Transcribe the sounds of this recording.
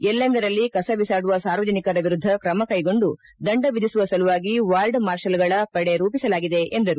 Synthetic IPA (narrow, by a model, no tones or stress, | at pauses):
ɛlːɐnd̪ɐɾɐlːikɐsɐʋisaːɽuʋɐsaːɾʋɐd͡ʒɐnikɐɾɐʋiɾud̪ʱːɐkɾɐmɐkɐjɡo̞ɳɖu | d̪ɐɳɖɐʋid̪ʱisuʋɐsɐluʋaːɡiʋaːlɖmaːɾʃɐlɡɐɭɐpɐɽe̞ɾuːpisɐlaːɡid̪e̞ʔend̪ɐɾu